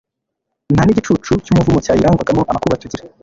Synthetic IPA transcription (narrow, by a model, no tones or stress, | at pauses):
nhaniɟit͡ʃut͡ʃucuːmuvumocaːjiɾaːŋɡwaɡamoʔanakuβatuɟiɾa